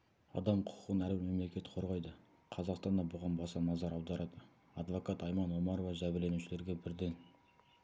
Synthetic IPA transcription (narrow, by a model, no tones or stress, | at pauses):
ɑ̰d̪ɑmqʰʊ̥qʰʊ̥qənælume̞mle̞kʲe̞t̪qʰo̞ɾʁɑjd̪ə | qʰɑzɑqst̪ɑnd̪ɑbʊʁɑnbɑsɑnɑzɑɾɑwd̪ɑɾʔɑd̪ə | ɑd̪vo̞kɑt̪ɑjmɑnwo̞mɑɾovɑʒæbɪɾle̞nuʃɪle̞ɾɡʲe̞bɪɾd̪e̞n